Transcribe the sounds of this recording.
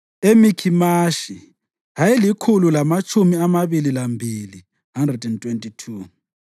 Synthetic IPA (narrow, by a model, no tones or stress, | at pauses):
emikʰimaʃi | ɦajilikʰululamat͡ʃʼumiamaβililambʱili | ɦandrɛdɛntʼwentʼitʰuː